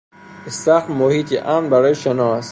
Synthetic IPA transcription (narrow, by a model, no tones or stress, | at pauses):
est̪æxmohiːt̪ʰiʔæmnbæɾɒːjeʃenɒːs